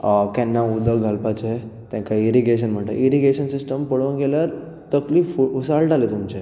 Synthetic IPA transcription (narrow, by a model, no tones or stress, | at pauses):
kɛ̃nːaud̪ʱəɡʱalpat͡ɕɦet̪ɛ̃ŋkaiɾiɡeɕ̬ənm̤əɳʈa̰ʔiɾiɡeɕənsisʈəmpəɽʋənɡeljaɾ | t̪əkliːfuusalʈalet̪umt͡ɕe